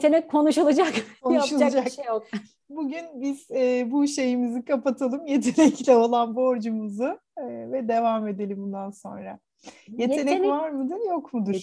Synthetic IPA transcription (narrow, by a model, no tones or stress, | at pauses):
t̪ʰenɛk̚kʰːo̞nuʃulˠad͡ʒakkʰonʃulˠad͡ʒako | buɟynbiz̥ɛbuʃe̞jimizikʰapat̪ʰalˠɯmje̞t̪ʰe̞nɛcilʲɛo̞lˠanbo̞ɾd͡ʒumuzɯː | vɛd̪e̞vame̞d̪elʲimbund̪anso̞̰nɾa̰ | je̞t̪ʰe̞nɛcnvaɾmud̪ɯɾjo̞kmud̪u̥